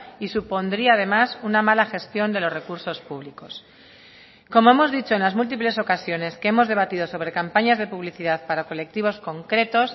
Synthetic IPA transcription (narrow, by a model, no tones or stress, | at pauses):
isupo̞nd̪ɾiaːð̞e̞masunamalaxe̞st̪jo̞nd̪e̞lo̞zre̞kuɾso̞spuβ̞liko̞s | ko̞mo̞e̞mo̞zðit͡ʃo̞enlazmult̪̬iple̞so̞kasjo̞ne̞skeemo̞zðe̞β̞at̪iðo̞so̞βɾe̞kampaɲazðe̞puβliθiðaðpaɾako̞le̞k̚t̪iβ̞o̞sko̞ŋkɾe̞t̪o̞s